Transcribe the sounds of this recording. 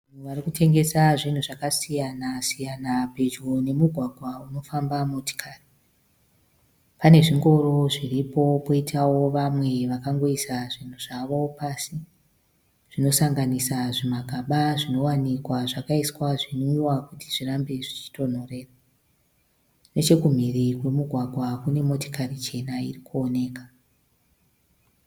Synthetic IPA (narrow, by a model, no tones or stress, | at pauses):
aan̤uʋarikutʰe̞ŋɡe̞saʐin̤uʐakasijanasijanape̞d͡ʒone̞muɡʱwaɡʱwauno̞fambamoti̥kʰari | pane̞ʐiŋɡo̞ɾo̞ʐiripo̞po̞itʰawo̞ʋamwe̞ʋakaŋɡo̞isaʐin̤uʐ̥aʋo̞pasi | ʐ̥ino̞saŋɡanisaʐimaɡʱaɓaʐino̞wanikwaʐakaiswaʐinoiwakutiʐirambeʐit͡ʃi̥to̞n̤o̞re̞ːra | ne̞t͡ʃe̞kum̤irikwe̞muɡʱwaɡʱwakune̞mo̞to̥karit͡ʃe̞nairikuone̞ːkḁ